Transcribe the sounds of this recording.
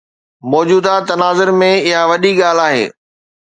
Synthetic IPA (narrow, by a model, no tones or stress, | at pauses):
mɔːd͡ʑuːd̪at̪ɐnaːzəɾmẽɪɦaʋɐɗiɠaːl̤aːɦḛː